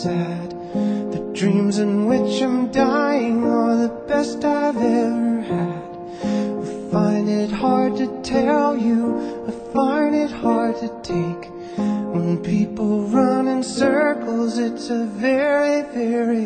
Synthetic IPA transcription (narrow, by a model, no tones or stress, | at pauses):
æd̚ | ðɨdɹĩmzɨ̃nwɪt͡ʃãɪ̃mdaɪɪ̃ŋə˞ðɨb̥ɛstaɪvɛvə˞ɨd̥ | afãɪ̃ndɪt̚hɑɹd̚tʰɨtʰɛlˠjɨafãɪ̃ndɪt̚hɑɹd̚tʰɨtʰeɪk | wə̃npʰipl̩ˠɹʌ̃nɨ̃nsɜ˞kʰl̩ˠzɪtsɨvɛɹivɛɹi